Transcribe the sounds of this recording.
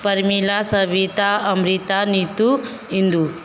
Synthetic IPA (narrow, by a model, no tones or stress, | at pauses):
pɐɾmilasɐʋit̪aɐmɾit̪anit̪u | ind̪u